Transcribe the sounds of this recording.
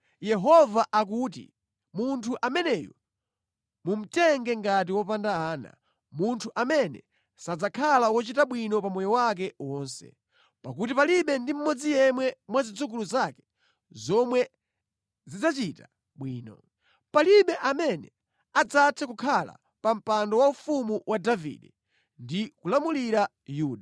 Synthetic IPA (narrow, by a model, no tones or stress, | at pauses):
jɛɦɔvaʔak̬uːt̬ḭ | muntʰuʔamɛnɛjɔ̰ | mum̩tɛŋɡɛŋɡat̬iwɔpandaaːna̰ | muntʰuʔamɛnɛ̰ | sad͡zakʰalawɔt͡ʃitaɓwinɔpamɔjɔwak̬ɛwɔːnsɛ̰ | pak̬utipaliɓɛndim̩mɔd͡zijɛmwɛmwazid͡zuk̬uluzakɛ̥ | zɔmwɛ | zid͡zat͡ʃita | ɓwiːnɔ̰ | paliɓɛʔamɛnɛ | ad͡zatʰɛkukʰala̰ | pam̩pandɔwaufumuwʔadavḭːɗɛ | ndikulamuliɾa | juːɗa